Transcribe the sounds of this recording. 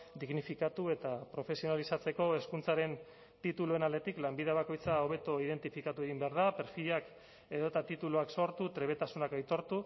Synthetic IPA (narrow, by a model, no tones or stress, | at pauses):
d̪iɣnifikat̪ue̞t̪apɾo̞fe̞sio̞nalisat͡se̞ko̞e̞skunt͡saɾe̞n | t̪it̪ulue̞nald̪e̞t̪iklambiðeβ̞ako̞jt͡sao̞β̞e̞t̪oið̞e̞nt̪ifikat̪ue̞ɣ̞imbe̞aɾð̞ape̞ɾfiʎak | e̞ðo̞t̪at̪it̪uluakso̞ɾt̪ut̪ɾe̞β̞et̪asunakajt̪o̞ɾt̪u